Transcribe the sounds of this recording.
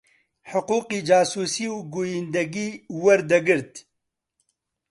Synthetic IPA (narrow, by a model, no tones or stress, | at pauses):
ħʊquːqiːd͡ʒaːsuːsiːwɡojind̪ɐɡiːwɐɾd̪ɐɡɨɾt̪